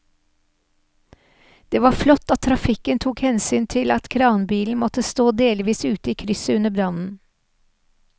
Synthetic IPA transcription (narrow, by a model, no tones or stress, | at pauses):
d̪̥eːʋɑːflɔt̪ːɑt̪t̪ʰːɾɑfɪkənt̪ʰuːkhɛnsyːnt̪ʰɪlɑt̪kʰɾɑːʊnbiːln̩mɔt̪əst̪oːd̪eːlʋiːsʉːt̪əiːkʰɾʏsəʉnəbɾɑnn̩